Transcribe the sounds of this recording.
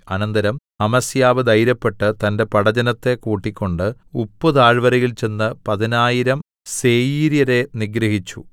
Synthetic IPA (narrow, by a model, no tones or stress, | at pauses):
ɐnɐnd̪ɐɾɐm | ɐmɐsjaːʋɨd̪ɐjɾɐpːe̞ʈːɨt̪ɐnde̞pɐɽɐd͡ʑɐnɐt̪ːe̞kuːʈːikʲːo̞ɳɖɨ | upːɨd̪aːɻʋɐɾɐjilt͡ɕe̞nːɨpɐðinaːjiɾɐm | se̞ːjiːɾjɐɾe̞niɡɾɐɦit͡ɕːṵ